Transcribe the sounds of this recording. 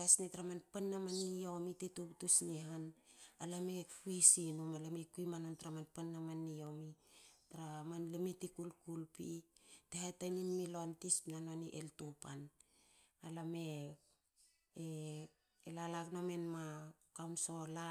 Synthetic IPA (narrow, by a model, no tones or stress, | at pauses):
asnetaɾamanpanːamanijo̞mitetuptusniɦanalamepuisinumalamekuimanontaɾamanpanːamanːijo̞mitaɾamanlemitikulkulpitehajtajninmilontismnanoaniʔḛltupan | alame̞ | e | elalaknome̞nma | kawnso̞la